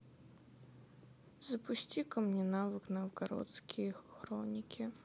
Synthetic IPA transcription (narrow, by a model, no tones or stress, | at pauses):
zɐpʊsʲtʲikɐmnʲinavɨknɐwɡɐɾɔ̰t̪skʲʰixɾɔnʲikʲʰi